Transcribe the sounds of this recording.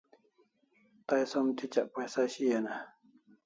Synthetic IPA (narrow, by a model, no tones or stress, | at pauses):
t̪ajsɐmt̪ʰit͡ɕaʔpajsaɕijana